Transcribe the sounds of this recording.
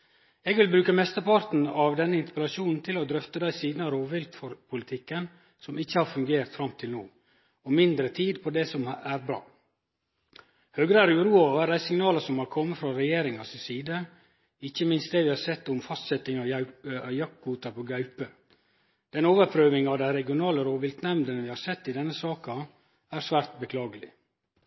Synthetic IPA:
ɛːɡʋɪlbɾʉːkəmɛst̪əɾpɑɾt̪n̩ɑʋd̪ɛnːəɪnt̪ə̥pəlɑʃuːnn̩t̪ʰɪlɔd̪ɾœft̪əd̪æɪsiːd̪nɑɾoːʋɪlt̪fɔɾpʰʊlɪt̪ʰɪkːən | sɔmɪçːəhɑːɾfʉŋɡeːɾt̪fɾɑmt̪ʰɪlnoː | ɔmɪnd̪ɾət̪ʰiːd̪pʰɔd̪ɛsɔmæɾbɾɑ̰ː | høːɡɾəæːɾʉːɾuːɑʋæɾd̪æɪsɪŋnɑːləsɔmhɑɾkʰɔmːəfɾɑɾɛjeːɾɪŋɑsɪsiːd̪ə | ɪçːəmɪnst̪̚d̪eːʋɪhɑɾsɛt̪ːʊmfɑst̪sɛt̪ːɪŋɑjɑk̚ɡuːt̪ɑɾpʰoːɡɑʉpə | d̪̥ɛnoːʋəɾpʰɾøːʋɪŋɑʋd̪æɪɾɛɡɪʊnɑːləɾoːʋɪlt̪nɛmnd̪ənəʋɪhɑɾsɛt̪ːɪd̪ɛnːəsɑːkɑ | æɾsʋæːɾt̪̚bəkʰlɑːɡəlɪ̰

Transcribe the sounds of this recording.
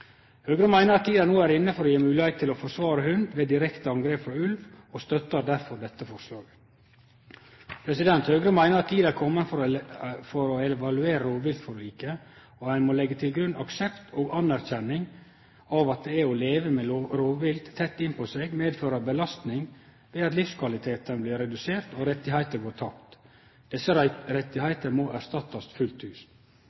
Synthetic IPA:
høːɡɾəmæɪnəɾɑt̪ʰiːd̪ænoːæɾɪnːəfɔɾojeːmʉːlɪheɪt̪ʰːɪlɔfɔsʋɑːɾəhʉnd̪ʋeːd̪ɪɾɛkt̪əɑŋɡɾeːpfɾɑʉlʋ | ɔst̪œt̪ːəd̪æɾfɔɾd̪ɛt̪ːəfɔɾʂlɑːɾ | pʰɾɛsɪd̪ɛnt̪høːɡɾəmæɪnəɾɑt̪t̪ʰiːd̪æɾkʰɔmːənfɔɾfɔɾɔɛʋɑlʉeːɾəɾoːʋʋɪlt̪fɔɾliːkə | ohæɪnmoːlɛɡːət̪ʰɪlɡɾʉnʔɑksɛpt̪ʰoːɡɑnæɾçɛnːɪŋ | ɑːʋɑt̪̚d̪ɛæɾɔleːʋəmeːɾoːʋʋɪld̪t̪ʰːɛt̪ːɪnpʰɔseɡmeːd̪føːɾəbəlɑst̪nɪŋ | ʋeːd̪ɑt̪lɪfskʰʋɑlɪt̪ʰeːt̪ənbliːɾɛd̪ʉseːɾt̪oːɾɛt̪ːɪhæɪt̪əɾɡoːt̪ʰɑkt̪ | d̪̥ɛsəɾɛt̪ːɪhæɪt̪əmɔʔæɾst̪ɑt̪ːɑst̪fʉlt̪ʉːs

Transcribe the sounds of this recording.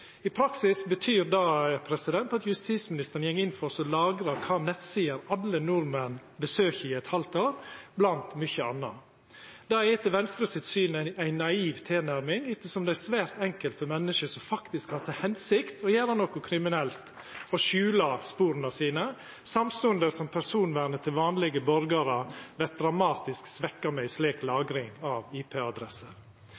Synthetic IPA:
ɪpʰɾɑksɪsbət̪ʰyːɾd̪ɑpʰɾɛsɪd̪ɛnt̪ɑt̪jʉst̪iːsmɪnɪst̪əɾənjɛŋːɪnfɔsɔlɑːɡɾɑkʰɑːnɛt̪siːəɾɑlːənʊɾmənbəsøːçəɪɛt̪hɑlt̪oːɾblɑnt̪mʏçəɑ̰nːɑ | d̪̥ɑːeːt̪əʋɛnst̪ɾəsɪt̪syːnææɪnːɑiːʋt̪ʰeːnæɾmɪŋɪt̪ːəsɔmd̪ɛæsʋæːɾt̪ɛŋkəlt̪fɔmɛnːəʃəsɔmfɑkt̪ɪskhɑːɾt̪ʰɪhɛnsɪkt̪ɔjæːɾənɔkʊkʰɾɪmɪnɛlt̪ | ɔʃʉːlɑspuːɾnɑsiːnə | sɑmst̪ʊːənd̪əsɔmpʰæɾsuːnʋæɾnət̪ʰɪlʋɑːnlɪɡəbɔɾɡɑɾəʋɛt̪̚d̪ɾɑmɑːt̪ɪsksʋɛkːɑɾmɛɪsleːklɑːɡɾɪŋɑʋiːpʰeːɑd̪ɾɛsə

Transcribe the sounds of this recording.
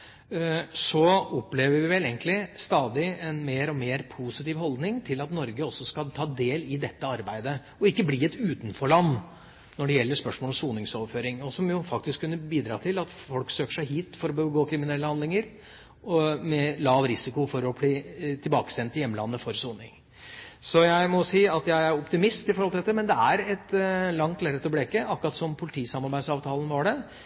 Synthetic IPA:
sɔɔpːleːʋəɾʋɪʋɛleːŋk̪lɪst̪ɑːd̪ɪɛnmeːɾɔmeːɾpʰusɪt̪iːʋɦɔld̪nɪŋt̪ʰɪlɑt̪nɔɾɡəɔsːɔskɑt̪ʰɑːd̪eːlɪd̪ɛt̪ːəɑɾbæɪd̪ə | ɔɪkːəbliːɛt̪ʉːt̪n̩fɔɭɑnː | nɔɖɛjɛlːəʂspœʂmoɔːɔmsuːnɪŋsoːʋføːɾɪŋɔsɔmjʊfɑk̚t̪ɪskʰːʉnːəbiːd̪ɾɑːt̪ʰɪlɑt̪fɔlksøːkə̥ʂæɪɦiːt̪fɔɾɔbəɡoːkʰɾɪmɪnɛlːəhɑnd̪lɪŋəɾ | ɔmɛlɑːʋɾɪsɪkʊfɔɾɔbliːt̪ʰɪlbɑːkə̥sɛnt̪ɪjɛmːəlɑ̰nːəfɔɾsuːnɪŋ | sɔjæɪmɔsiːɑt̪jæɪæɾɔpt̪ɪmɪst̪ɪfɔɾhɔlɪɛt̪ːəɾmɛnd̪ɛæɾɛt̪lɑŋt̪ʰlæːɾət̪ʰɪlɔbleːkəʔɑkːɾɑt̪sɔmpʰʊlɪt̪ʰiːsɑmɑɾbæɪd̪sɑːʋt̪ʰɑːlən̩ʋɑɖɛ

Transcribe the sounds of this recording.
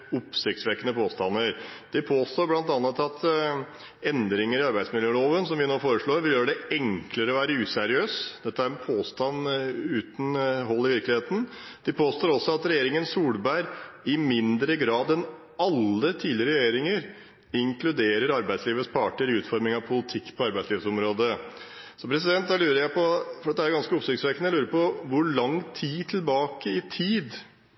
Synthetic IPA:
ʊpsɪk̚t̪sʋekːənəpʰoːst̪ɑnːəɾd̪̥ɛpʰoːst̪oːɾblɑnt̪ɑnːət̪ɑt̪ | ɛnd̪ɾɪŋəɾɪɑɾbæɪsmɪljøːloːʋənsɔmʋɪnoːfoːɾəʂɭoːɾʋɪljøːɖɛɛŋkləɾəɔʋæːɾəʉːsɛɾɪøːsd̪̥ɛt̪ːəæɾɛnpʰoːst̪ɑnʉːt̪nɦɔlːɪʋɪɾklɪheːt̪n̩ | d̪̥ɪpʰoːst̪oːɾɔsːɔɑt̪ɾɛjeːɾɪŋənsuːlbæɪɾɪmɪnd̪ɾəɡɾɑːd̪ɛn | ɑlːət̪ʰiːdlɪɾəɾɛjeːɾɪŋəɾ | ɪŋkʰlʉd̪eːɾəɾɑɾbæɪd̪sliːʋəspʰɑːʈəɾɪʉːt̪fɔɾmɪŋɑʋpʰʊlɪt̪ʰɪkːpʰɔɑɾbæɪsliːʋəsɔmɾoːd̪ə | sɔmpɾɛs̬ɪd̪ɛnt̪̚d̪ælʉːɾəjæɪpʰɔfɔɖɛt̪d̪æɾɡɑnskəʊpsʏk̪sʋeːkənəjælʉːɾəpɔʋʊɭɑŋt̪ʰiːt̪ʰɪlbɑːkəɪt̪ʰiːd̪

